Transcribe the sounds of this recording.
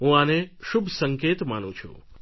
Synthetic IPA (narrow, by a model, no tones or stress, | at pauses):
ɦũaneʃubʱsəŋket̪manṵ̃t͡ʃʰṵ̃